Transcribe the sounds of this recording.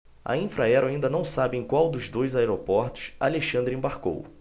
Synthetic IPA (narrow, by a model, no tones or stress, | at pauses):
ɐ̰ĩfɾaɛɾaĩnd̪ɐnɐ̃w̃sabɪẽj̃kwawd̪ʊzd̪ojzaɛɾopɔɾt̪ʊ̥saaleʃɐ̃nd̪ɾĩbaɾko̰w